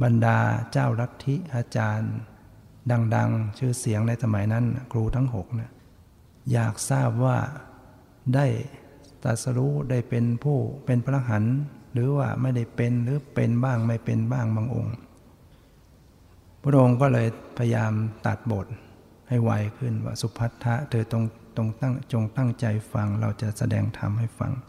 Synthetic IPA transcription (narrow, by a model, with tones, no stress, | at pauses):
ba˧ndaː˧t͡ɕaː˥˩wla˦˥t̪ʰːi˦˥ʔaː˧t͡ɕaː˧n | da˧ŋda˧ŋt͡ɕʰɯː˧˩si˩˦əŋna˧jsʰa˧ma˩˦jna˦˥n˧kʰɾuː˧t̪ʰa˦˥ŋɦo˨˩k̚na˧˥ | jaː˨˩k̚saː˥˩p̚waː˧˥˩ | da˥˩j | t̪a̰˨˩t̪̚sa˧ɾu˦˥da˥˩jpe˧npʰuː˥˩pe˧npʰa˧la˧ɦa˩˦nlɯː˨˦waː˧˩ma˥˩jda˥˩jpe˧nlɯː˨˦pe˧nbaː˥˩ŋma˧˥˩jpe˧nbaː˥˩ŋbaː˧ŋʔo̰˧ŋ | pʰu˧t̪ʰa˥ʔo˧ŋkɔː˥˩lɤː˧jpʰa˧ja˧jaː˧mt̪a˨˩t̪̚boː˨˩t̪̚ | ha˥˩jwa˧˩jkʰɯ˧˥˩nwa̰ː˧˩su˧˦pʰa˦˥t̪ʰːa˦˥ʔt̪ʰɤː˧t̪o˧ŋ | t̪o˧ŋt̪a˥˩ŋt͡ɕo˧ŋt̪a˥˩ŋt͡ɕa˧jfa˧ŋla˧˩wt͡ɕa˨˧˩ʔsa˧dɛ̰ː˧ŋt̪ʰa̰˧mha˥˩jfa̰˧ŋ